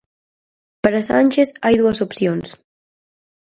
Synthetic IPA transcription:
pəɾəsanʲʃeθajðuəzopsions

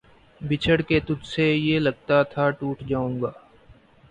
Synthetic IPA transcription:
bɪt͡ʃʰəɽket̪ʊd͡ʒsejelɐɡ̚t̪at̪ʰaʈuːʈʰd͡ʒaːũːŋɡaː

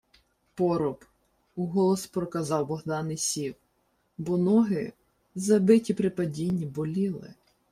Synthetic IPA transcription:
pɔɾɔp | uɦɔlˠɔspɾɔkɐzɑwbɔɦd̪ɑnɪjsʲiw | bɔnɔɦɪ̰ | zɐbɪtʲipɾɪpɐdʲinʲːibɔlʲilˠɪ̰

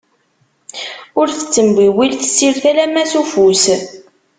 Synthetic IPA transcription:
ʊɾθə̥t͡sːəmbiwilθəsːiɾθælæmːæsufus

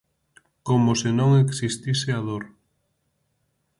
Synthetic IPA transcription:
komosenõŋeksist̪iseaðoɾ

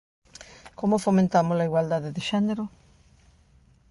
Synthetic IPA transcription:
komofomẽnt̪amozlaiɣwald̪aðeðeʃeneɾo

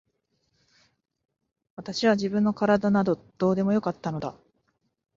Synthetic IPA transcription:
βat̪aɕiβ̞aʑibɯ̟̃nːo̞kaɾad̪anad̪o̞d̪̥o̞ːd̪e̞mo̞jo̞kat̪ːano̞d̪a̰

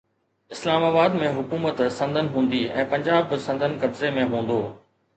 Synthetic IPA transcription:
ɪslaːmaːbaːd̪mẽɦʊkuːmət̪sɐ̃nd̪ʱənɪ̆ɦũːn̆d̪iɛ̃ːpɐ̃ɲd͡ʑaːbsɐ̃nd̪ʱənɪ̆kɐbzemẽɦũːn̆d̪oː

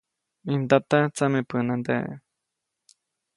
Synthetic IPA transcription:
ind̪at̪at͡samepɨnãnd̪ḛ

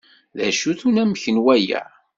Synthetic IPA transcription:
ðæʃuθunæməçənwæjæ̰

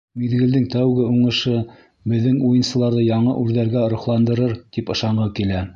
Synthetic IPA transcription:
miðɡɘ̆ld̪ɘŋt̪æwɡɘuɴɤ̆ʃɤ | bɘ̆ðːɘŋujɤ̆nsɤ̆lˠɑɾðɤjɑɴɤ̰ʔʉɾðæɾɡæŏɾŏχlˠɑnd̪ɤ̆ɾɤɾt̪ipɤ̆ʃɑɴʁɤkilæ

